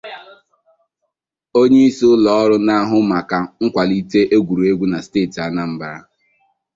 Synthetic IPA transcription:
o˦ɲe˦i˦sʊ˦lɔ˦ɔ˦ɾʊ˦na˦ɦʊ˦ma˨ka˨ŋ̩˦kʷa˨li˦te˦ʔe˦ɡʷu˨ɾu˨e˦ɡʷu˦na˨steː˦˨ti˨a˦na˦m̩˦ba˨ɾa̰˦

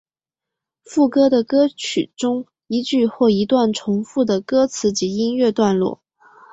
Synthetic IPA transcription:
fu˥˩kɤ˥d̪ə˨kɤ˥t͡ɕʰy̰˨˩ʈ͡ʂʊ˥ŋ | i˧˥t͡ɕy˥˧xwɔ˥˩i˧˥t̪wa˥˩nʈ͡ʂʰʊ˧˥ŋfu˥˩d̪ə˩kɤ˥t͡sʰɹ̩˧˥t͡ɕi˧˥i˥nɥɛ˥˧t̪wa˥˧nlwɔ̰˥˩

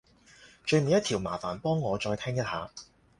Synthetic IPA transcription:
t͡ʃɵ˧ɥm̩e˨˧jɐ˥t̪ʰiː˨˩wma̰ː˨˩faː˨˩npɔː˥ŋːɔː˨˧t͡ʃɔː˧jt̪ʰɛː˥ŋjɐ˥t̚haː˨˧

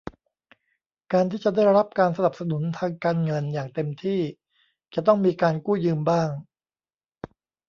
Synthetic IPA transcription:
kaː˧nt̪ʰiː˥˩t͡ɕa˨˩daː˥˩jɾa˦˥p̚kaː˧nsa˧na˨˩p̚sa˧nu˩˦nt̪ʰaː˧ŋkaː˧nŋɤ˧njaː˨˩ŋt̪e˧mt̪ʰiː˥˩ | t͡ɕa˨˩t̪ɔ˥˩ŋmiː˧kaː˧nkuː˥˩jɯː˧mbaː˥˩ŋ

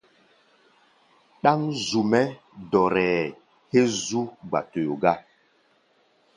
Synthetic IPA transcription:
ɗa˦ŋzu˨mɛ˦ | dɔ˨ɾɛː˨ | he˦zu˦ɡ͡ba̰˨to˨jo˨ɡa˦

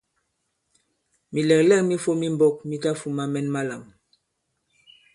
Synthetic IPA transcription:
mi˨lɛ˨klɛ˦˨kmi˦fo˦mi˦mbɔ˦˨k̚mi˦ta˦fu˨ma˦mɛ˦nma˦la˨m

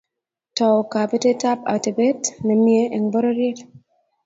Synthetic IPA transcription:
tɔ˨ka˨be˦te˦ta˦pa̰˨te˨be˦tnɛ˨mje˦ɛ˨ŋbɔ˦ɾɔ˦ɾje˦t

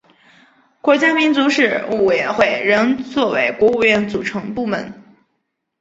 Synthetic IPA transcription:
kwɔ˧˥t͡ɕja˥mi˧˥nt͡su˧˥ʂɻ̩˥˩u˥˩we˨˩jɥɛ˧˥nxwe˥˩ɪɻə˧˥ŋt͡swɔ˥˩we˧˥ɪkwɔ˧˥u˥˧jɥɛ˥˩nt͡su˨˩ʈ͡ʂʰɤ˧˥ŋpu˥˩mə˧˥n

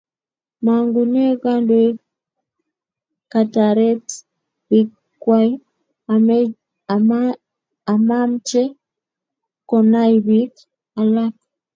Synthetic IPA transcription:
ma˨ŋɡu˨nɛ˦ka˦nde˦ | ka˨ta˨ɾɛ˦t | bik | kwa˦i | am | a˨ma˦mt͡ʃɛ˦ | kɔ˨na˦iβi˦k | a˨la˦k

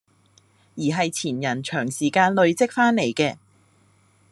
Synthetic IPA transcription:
jiː˨˩ɦɐ˨jt͡sʰiː˨˩njɐ˨˩nt͡ʃʰœː˨˩ŋsiː˨˩kaː˧nlɵ˧ɥt͡sɪ˥k̚faː˥nle˨˩jkɛː˧

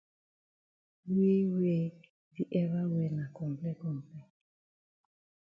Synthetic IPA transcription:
we˦we˦ | di˦ʔɛ˦βa˦wɛ˨na˨kɔ˨m˨plɛ˦kɔ˨m˨plɛ˦

